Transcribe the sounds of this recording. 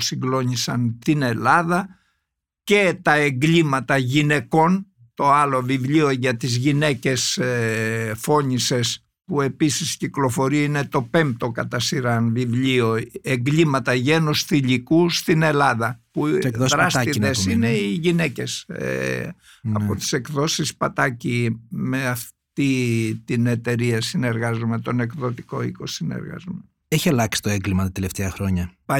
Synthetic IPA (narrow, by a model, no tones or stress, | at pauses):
siŋɡlo̞ɲisɐnt̪ine̞lɐðɐ | ce̞t̪ɐe̞ŋɡlimɐt̪ɐʝine̞ko̞n | t̪o̞ɐlo̞vivʎio̞ʝɐt̪izʝine̞ce̞s | fo̞ɲise̞s | pue̞pisisciklo̞fo̞ɾiine̞t̪o̞pe̞mp̚t̪o̞kɐt̪ɐsiɾɐnvivʎio̞e̞ŋɡlimɐt̪ɐʝenusθiʎikust̪ine̞lɐðɐpukðosðɾɐst̪iðesine̞iʝine̞ce̞sḛ | ɐ̰pot̪i̥se̞kðo̞sispɐt̪ɐcime̞ɐft̪it̪ine̞t̪e̞ɾiɐsine̞ɾɣɐzume̞t̪o̞ne̞kðo̞t̪iko̞iko̞sine̞̰ɾɣɐ̰zume | eçiɐlɐksi̥t̪oeŋɡlimɐt̪ɐt̪eleft̪eɐxɾo̞ɲɐ